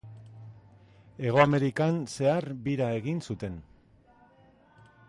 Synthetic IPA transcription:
e̞ɣ̞o̞ame̞ɾikanse̞arβiɾae̞ɣinsut̪e̞n

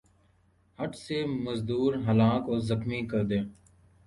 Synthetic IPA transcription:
həʈseːməzd̪uːɾɦəlaːkoːzəxmiːkəɾd̪ẽː

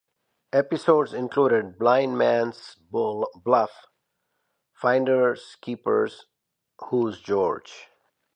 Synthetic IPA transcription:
ɛpɪsodzɪ̃nkʰluɾɪd̚blãɪ̃nmæ̃ns | blʌf | fãɪ̃ndəɹskʰipə̰˞z̥ | huzd͡ʒɔɹd͡ʒ

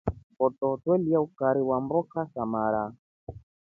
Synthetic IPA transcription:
bɔtɔtwɛliaukaɾiwambɔkasamaɾa

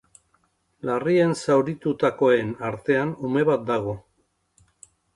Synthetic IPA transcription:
larie̞nsawɾit̪ut̪ako̞e̞naɾt̪e̞anume̞βat̪̚d̪aɣ̞o̞

